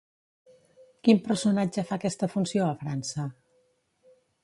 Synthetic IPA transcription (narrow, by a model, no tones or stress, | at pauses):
kimpəɾsunad͡ʒəfakɛst̪əfunsjoəfɾansə